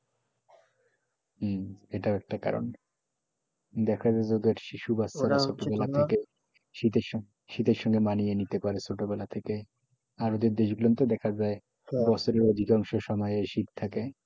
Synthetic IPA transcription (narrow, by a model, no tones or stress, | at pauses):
eʈaɛk̚ʈaka̰ɾo̰n | d̪ɛkʰaaed͡ʑod̪eɾʃiʃubasasoʈobɛlat̪ʰeke | ʃit̪eɾʃɔ | ʃit̪eɾʃɔŋɡemanijenit̪epaɾesoʈobɛlat̪ʰeke | aɾod̪eɾd̪eʃɡulont̪ed̪ɛkʰad͡ʑae | bɔt͡ɕʰoɾeɾod̪ʱikaŋʃoʃɔmɔeeɾʃit̪t̪ʰake